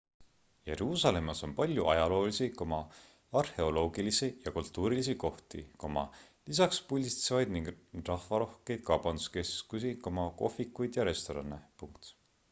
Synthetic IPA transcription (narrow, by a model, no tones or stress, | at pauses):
je̞ɾuːsɑle̞mːɑso̞npɑlʲjuʔɑjɑlo̞ːlisiko̞mɑ | ɑrhe̞o̞lo̞ːɡilisijɑkult̪ːˑuːɾilis̬iko̞ht̪iko̞mɑ̰ | lisɑkspulʲd̪it̪sevɑjd̪niŋɡrɑhvɑɾo̞hke̞jd̪̥̚kɑwb̥ɑnd̪u̥ske̞skusiko̞mɑko̞̰fikːˑujd̪̥jɑɾe̞st̪o̞ɾɑnːepuŋk̚t̪